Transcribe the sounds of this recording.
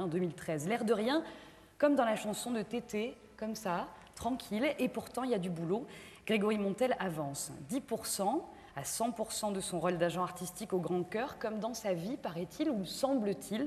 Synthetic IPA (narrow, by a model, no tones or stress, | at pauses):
ɛ̃d̪ømilt̪χɛzlɛʁd̪əʁjɛ̃ | kɔmd̪ɑ̃laʃɑ̃sɔ̃d̪ət̪et̪e | kɔmsa | t̪χɑ̃kʲʰilepuʁt̪ɑ̃iljad̪ybuloɡ̥ʁeɡɔʁimɔ̃t̪ɛlavɑ̃sd̪ipuʁsɑ̃ | asɑ̃puʁsɑ̃d̪əsɔ̃ʁɔld̪aʒɑ̃aʁt̪ist̪ikoɡʁɑ̃kʲœʁkɔmd̪ɑ̃savipaʁɛt̪ʰiluməsɑ̃blət̪ʰil